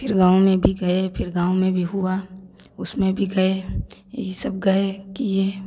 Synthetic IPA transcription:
pʰɪɾɡãːwmẽbʱiɡɐepʰɪɾɡãːʊomẽbʱiɦʊa | ʊsmẽbʱiɡɐejḛɦisɐb̚ɡɐekijeː

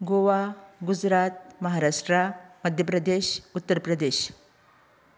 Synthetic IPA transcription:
ɡoʋaɡud͡ʑɾat̪̚məɦaɾaʂʈɾaməd̪ʱjəpɾəd̪eɕut̪ːəɾpɾəd̪eɕ

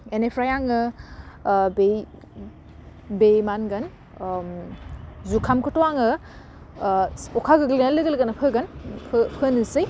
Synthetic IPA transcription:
enepʰɾajaŋɯ | be | bemanɡɐn | zukʰamkʰɯtɔwaŋɯ | ɔkʰaɡɯɡlinalɯɡɯlɡanɐpʰɯɡɐnpʰpʰɯnɯsɯj

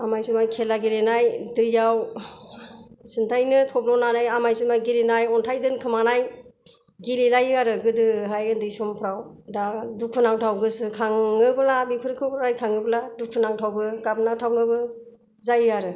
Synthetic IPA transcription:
amajsumajkʰelaɡiɾenajdɯjːaw | sɯntʰajnɯtʰɔb̚lɔnanajamajsɯmajɡilenajɔntʰajdɯnkʰɯmanaj | ɡililajɯaɾɯɡɯdɯɦajɯndɯjsɔmpʰɾaw | dadukʰːɯnaŋtʰawɡɯsɯkʰaŋːɯbɯlabikʰɯɾkʰɯbɾajkʰaŋɯbɯladukʰɯnaŋtʰawɡɯɡapnaŋtʰawnɯbɯ | zajɯaɾɯ

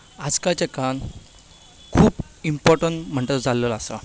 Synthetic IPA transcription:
ad͡zkat͡ɕekan | kʰuːp | impɔɾʈəɳʈm̤əɳʈ̪əɾd͡zʱaləlasa

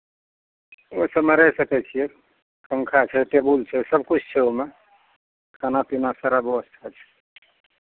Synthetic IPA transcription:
osəbmeɾəsəkɛt͡ʃʰije | kəŋkʰat͡ʃʰɛt̪ebult͡ʃʰɛsəb̚kut͡ʃʰt͡ʃʰɛome | kanapinasaɾabeəst̪ʰat͡ʃʰɛ̥

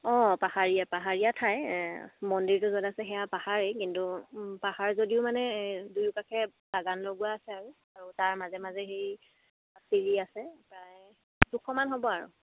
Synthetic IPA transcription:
ɔpahaɹijapaɦaɹijatʰajmɔndiɹtʊzɔdasɛxɛjapahaɹejkintupahaɹzodiʊmanɛdujukakʰɛbaɡanloɡuwaːsɛaɹu | aɹutaɹmazɛmazɛxej | siɹiasɛpɹaj | dukʰɔmanɦobɔaɹʊ̰

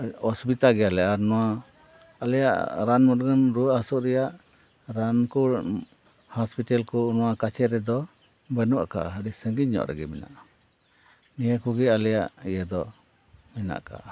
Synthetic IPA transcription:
ɔsbit̪aɡɛjalɛʔaɾnɔwa | alɛja̰ʔɾanmɔt̚ɡənɾuasuʔɾɛjaʔ | ɾanku | hɔspiʈalkɔnɔwakat͡ʃʰɛɾɛd̪ɔ | bənuʔa̰ka̰ʔəɽisəŋɡiɲːɔ̰ʔɾɛ̰ɡɛmɛna̰ʔa | nijəkuɡɛalɛjaʔijəd̪ɔ | mɛna̰ʔka̰ʔ

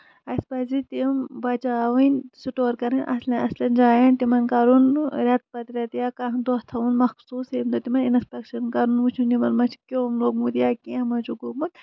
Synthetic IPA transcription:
ɐspɐzit̪imbɐt͡ʃaːʋinʲsuʈoːɾkɐɾɐnʲʔɐ̰slɐ̃ʔɐ̰slɐnd͡ʒaːjɐnt̪imɐnkɐɾunɾʲɐt̪̚pɐt̪ɾʲɐt̪ijaːkaɦnd̪ost̪ʰɐunmɐxsuːsemd̪ot̪imɐninspʲekʃɐnkɐɾunʋut͡ʃʰunimɐlmɐt͡ʃʰkʲoːmloɡmut̪ijaːkẽɐmɐt͡ʃuɡomɐt̪

